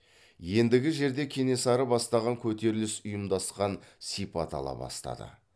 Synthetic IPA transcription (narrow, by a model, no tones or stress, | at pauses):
je̞nd̪ɪɡʲɪʒe̞ɾd̪e̞kʲʰe̞ne̞sɑɾəbɑst̪ɑʁɑŋkʲʰɵt̪e̞ɾɪlɪsʊjəmd̪ɑsqɑnsipɑt̪ʰɑ̰lˠɑ̰bɑ̰st̪ɑ̰d̪ə̰